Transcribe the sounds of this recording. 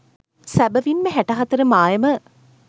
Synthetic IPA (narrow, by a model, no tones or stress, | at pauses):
sæbəʋinːəɦæʈɐɦat̪əɾəmaːjəmə